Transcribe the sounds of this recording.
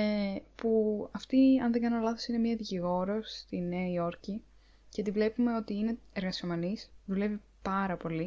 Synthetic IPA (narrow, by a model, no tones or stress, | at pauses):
epuɐft̪iɐnðeŋɡɐnolɐθo̞sine̞miɐðiciɣo̞ɾo̞st̪ineio̞ɾci | cet̪ivle̞pume̞o̞t̪iine̞eɾɣɐsomɐnisðule̞vi | pɐɾɐpo̞li